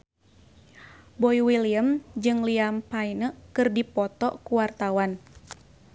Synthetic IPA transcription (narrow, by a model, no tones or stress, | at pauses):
bɔiwiliəmd͡ʒɨŋliampainəkɨrdipɔt̪ɔʔkuwart̪awan